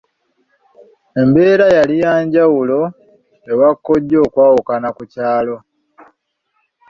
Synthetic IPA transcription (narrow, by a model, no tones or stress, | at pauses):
e̞mbe̞ːɾajalijaːɲɟawulo̞ | ewakːo̞ɟːo̞ːkwaːwukanakucaːlo̞